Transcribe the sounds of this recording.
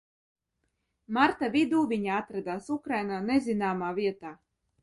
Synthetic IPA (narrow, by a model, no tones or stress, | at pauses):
maɾt̪avid̪uːvʲiɲaat̪ɾad̪aːsukɾajnaːnezʲinaːmaːviɛt̪aː